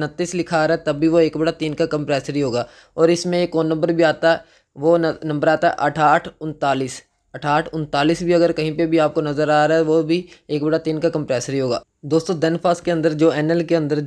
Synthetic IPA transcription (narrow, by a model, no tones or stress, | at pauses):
nət̪ːiːslɪkʰaːɾɦɛt̪ɐbːiʋoeːkbɐɽat̪iːnkakɐ̃mpɾɛːsəɾiɦoːɡaː | ɔːɾɪsmẽeːkoːnnːə̃mbəɾbʱiaːt̪aɦɛ | ʋonɐ̃mbəɾaːt̪aɦɛ̰ʔɐʈʰaːʈʰʊ̃nt̪aːliːs | ɐʈʰaːʈʰʊ̃nt̪aːliːsbʱiɐɡəɾkɐɦĩpebʱiaːp̚konɐzəɾaːɾaɦɛʋobʱieːk̚bɐɽat̪iːnkakɐ̃mpɾɛːsəɾiɦoːɡa̰ː | d̪oːst̪õd̪ɛnpʰaːskeɐ̃nd̪əɾd͡ʒoːɛːnɛlkeɐ̃nd̪əɾ